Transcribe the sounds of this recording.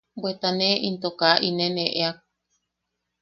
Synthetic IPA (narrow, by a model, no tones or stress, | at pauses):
bwet̪aneʔint̪okaʔinẽneʔeak̚